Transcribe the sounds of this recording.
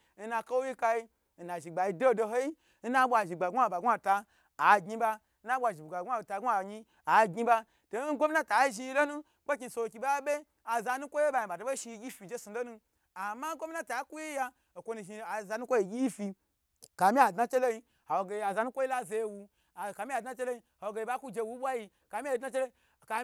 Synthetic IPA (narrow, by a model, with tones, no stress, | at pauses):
n̩˦na˧ko˦wi˦ka˧ji˧˦ | n̩˨na˨ʒi˨ɡ͡ba˨ji˧do˦˨do˧ɦo˦ji˦ | n̩˦na˦ɓʷa˧˨ʒi˨ɡ͡ba˨ɡʷa˦˨ba˨ɡʷa˦˨taː˧˨ | ɡi˦ba˧ | n̩˦na˦ɓʷa˨ʒi˨ɡ͡ba˨ɡʷa˦˨ta˧ɡʷa˨ɲi˦ | a˨ɡʲi˦ba˦ | to˨˦n̩˦ɡʷo˦mi˦na˦ta˨˦ʒi˧i˧˦lo˦nu˦kʷo˦k̬ʲi˧˨so˧˨kʲi˧ba˦bʲe˦ | a˨za˧nu˦kʷo˦je˦ba˧jĩ˧˨ba˨to˨˦bo˦ʃi˧ɡʲi˦fi˧d͡ʒe˦su˨lo˦nu˧ | a˨ma˦ɡʷo˦mi˦na˦ta˨˦ku˦ji˦ja˧ | o˨kʷo˧nu˧ʒi˧a˨za˧nu˦kʷo˦ji˨ɡʲi˦ji˦fi˧ | ka˨mi˦a˨dna˦t͡ʃe˦lo˦ji˧ | ha˨wo˨ɡe˧˨˧a˨za˧nu˦kʷo˦i˦la˦ze˧je˦wu˧˨ | ka˧mʲi˦a˨dna˦t͡ʃe˦lo˦ji˧ha˨wo˨ɡe˧ja˦ku˦d͡ʒe˧wu˦ɓʷa˦ji˧ | ka˨mi˦e˨dna˦t͡ʃe˦lo˦˨ | ka˧